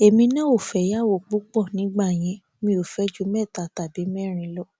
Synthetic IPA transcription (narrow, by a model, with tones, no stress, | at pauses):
e˨mĩ˧nã˦o˦˨fɛ˨˦ja˦˨wo˦˨k͡pu˦k͡pɔ˦˨nĩ˨˦ɡ͡ba˦˨j̃ɛ̃˧ | mĩ˧˦o˨fɛ˨˦d͡ʒu˦mɛ˦˨ta˨ta˨bi˨˦mɛ˦˨ɾ̃ĩ˧˦lɔ˦˨